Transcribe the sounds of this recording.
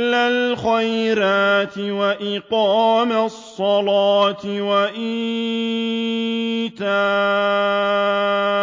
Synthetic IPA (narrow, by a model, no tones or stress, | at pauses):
alxajɾaːt̪ɪwaʔɪqɑːmasˤːɑlɑːt̪ɪwaʔiː | t̪aː